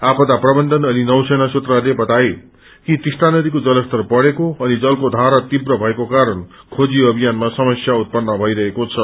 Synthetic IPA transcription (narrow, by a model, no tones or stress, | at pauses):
apʌd̪aprʌbʌnd̪ʱʌnʌninʌwsʌjnasut̪ralebʌt̪aje | kit̪isʈanʌd̪ikod͡zʌlʌst̪ʌrpʌɽekoʌnid͡zʌlkod̪ʱaɾat̪ibrʌbʱʌekokaɾʌn | kʰod͡ziʌbʱijanmasʌmʌsjaut̪̚pʌnːʌbʱʌjɾʌɦekot͡sʰʌ